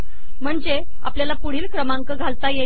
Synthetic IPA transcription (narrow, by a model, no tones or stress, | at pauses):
m̤əɳd͡ze | a̰pljalapuɽ̤iːlkɾəmaŋkəɡʱalt̪aje